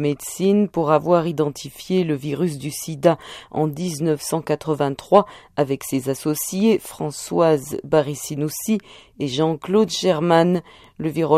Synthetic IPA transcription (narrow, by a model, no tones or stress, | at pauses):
med̪sinpuʁavwaʁid̪ɑ̃t̪ʰifjeləviʁys̬d̪ysid̪aɑ̰̃d̪iznəfsɑ̃kat̪χəvɛ̃t̪χwaː | vɛksezasɔsjefχɑ̃swazbaʁisinusi | eʒɑ̃klod̪ʒɛʁman | ləviʁɔ